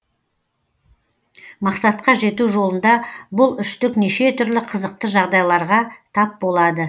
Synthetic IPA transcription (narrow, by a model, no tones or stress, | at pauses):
mɑqsɑt̪̚qɑʒe̞t̪uʒo̞lˠənd̪ɑbʊlˠʏʃt̪ɪkne̞ʃe̞t̪ʰʏɾlɪqʰəzəq̚t̪əʒɑʁd̪ɑjlˠɑɾʁɑt̪ʰɑp̚bo̞lˠɑd̪ə